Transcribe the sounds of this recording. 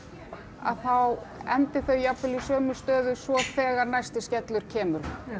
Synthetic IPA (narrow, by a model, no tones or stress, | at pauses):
a̰ðθawɛnt̪ɪθœɥjapvɪlisœːmʏst̪œːðʏsvɔθɛːɣaɾnajst̪ɪscɛt̪lʏɾ̥cʰɛːmʏɾ̥